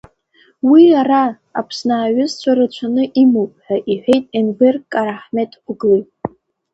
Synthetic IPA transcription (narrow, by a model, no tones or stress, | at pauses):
wiaraː | pʰsnaːɥʊzt͡ɕʷʰaɾat͡ɕʷʰanɨʔimowpʼħᶣaʔiħʷᶣe̞jtʼenberkʼaɾaħmetʼqʷɡlitʼ